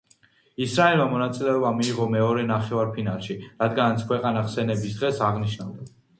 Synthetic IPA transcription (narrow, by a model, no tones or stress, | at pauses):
isɾaɛlˠmamɔnat̪sʼilɛɔbamiːʁɔmɛɔɾɛnaχɛvaɾpʰinalˠʃiɾad̪ɡanat̪sʰkʰwɛqʼanaχsɛnɛbisd̪ʁɛsaʁniʃnavd̪a